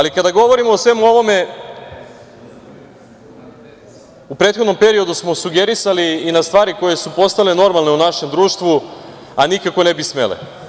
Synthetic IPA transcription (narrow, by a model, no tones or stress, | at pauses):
alikad̪aɡo̞ʋo̞ɾimoosʋe̞muo̞ʋo̞me̞ | upɾet̪xod̪no̞mpe̞ɾio̞d̪usmosuɡeɾisaliːnast̪ʋaːɾikoje̞supo̞st̪aleno̞ɾmalˠne̞unaʃe̞md̪ɾuːʃt̪ʋuanikako̞nebismḛlḛ